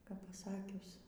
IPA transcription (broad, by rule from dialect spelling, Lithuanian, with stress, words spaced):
kɐp pɐˈsɑːkʲʊs